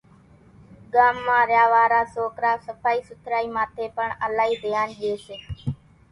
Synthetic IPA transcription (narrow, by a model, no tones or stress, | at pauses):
ɠaːmːãːɾjaːʋaːɾaːsoːkɾaːsəpaːiːsʊt̪ʰɾaːiːmãːt̪ʰeːpəɳəlaːiːd̪ɪjaːnʄeːseː